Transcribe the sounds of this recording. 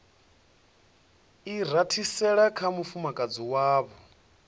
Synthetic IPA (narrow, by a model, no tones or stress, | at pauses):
iɾ̤atʰisɛɺakʰamufumakʼad͡ziwaːβɔ